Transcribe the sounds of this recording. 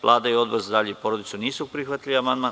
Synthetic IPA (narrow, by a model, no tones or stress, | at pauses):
ʋlˠʔˠaːd̪aio̞d̪boɾzad̪aʎipoɾod̪it̪suniːsupɾixʋat̪iliamand̪man